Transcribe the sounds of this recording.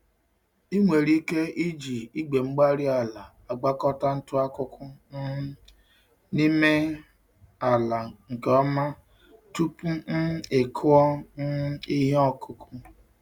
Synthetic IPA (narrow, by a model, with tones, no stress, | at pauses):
i˦ŋʷe˨ɾi˦ke˦ʔi˦d͡ʒi˨i˦ɡ͡be˨ŋ͡m̩˦ɡ͡ba˦ɾi˦a˨la˨ | a˨ɡ͡ba˦kɔ˦ta˦n̩˦tʊ˦a˦kʊ˦kʊ˦n̩˦ | ni˦me˦ | a˨la˨ŋ̩˨ke˨ɔ˦ma˦ | tu˦pu˦n̩˦e˨kʰʊ˦ɔ˦n̩˦i˦ɦɔ˦kʰʊ˦kʰu˦